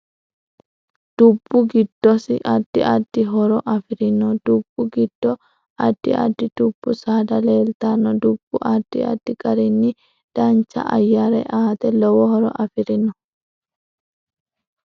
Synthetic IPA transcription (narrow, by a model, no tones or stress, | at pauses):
d̪̥ʊbːʊɡɪd̪̥ːɔsɪʔɐd̪̥ːɪʔɐdːɪɦɔɾɔʔɐfɪɾɪnɔd̪̥ʊb̥ːʊɡɪd̪̥ːɔ | ɐd̪̥ːɪɐ̰d̪ːɪd̪̥ʊb̥ːʊsaːd̪ɐleːlt̪anːɔd̪ʊb̥ːʊʔɐd̪̥ːɪɐ̰d̪ːɪkʼɐɾɪnːɪ | d̪̥ɐnt͡ʃːɐ̰ʔɐ̰jːaɾɛʔaːt̪ɛlɔwɔhɔɾɔ̰ʔɐfɪɾɪnɔ